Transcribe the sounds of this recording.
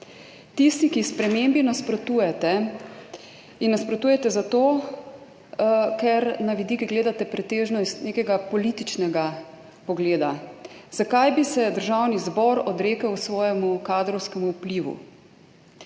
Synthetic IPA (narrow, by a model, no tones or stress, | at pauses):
t̪ist̪ikispɾɛmembinaspɾɔt̪uːjɛt̪ɛ | inːaspɾɔt̪uːjɛt̪ɛzat̪oː | kɛɾnaʋid̪ikiɡleːd̪at̪ɛpɾɛt̪eːʒnɔst̪neːkɛɡapɔlit̪it͡ʃnɛɡa | pɔɡleːd̪azakajbisɛd̪əɾʒawnizbɔɾɔd̪ɾeːkəwsʋɔːjɛmukad̪ɾɔwskɛmuːpliʋṵ